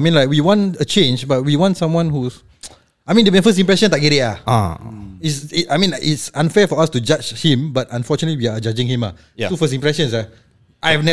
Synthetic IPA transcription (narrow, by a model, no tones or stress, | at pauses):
mĩnlaɪk̚wiwɔ̃ntət͡ʃẽnd͡ʒbat̚wiwɔ̃ntsãmwãnhus | ajmĩndəmẽnfəstĩmpɹɛsə̃ntaɡɛɾeaa̰isiajmĩnʔitsãnfɛfɔastud͡ʒad͡ʒhĩmbatãnfɔt͡ʃunətliwiad͡ʒad͡ʒĩŋhĩma̰ | jtufəs̬ĩmpɹɛʃə̃nsa | ʔajɛvnɛ